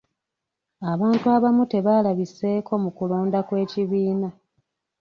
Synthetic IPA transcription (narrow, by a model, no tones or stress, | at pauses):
aβaːntuaβamute̞βalaβise̞ːko̞mukuloːndakwe̞ːciβiːna